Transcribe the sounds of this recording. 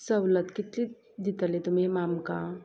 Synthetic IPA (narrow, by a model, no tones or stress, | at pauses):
sɐwlət̪kɪt̪li | d̪ɪt̪əlet̪ʊmemaːmka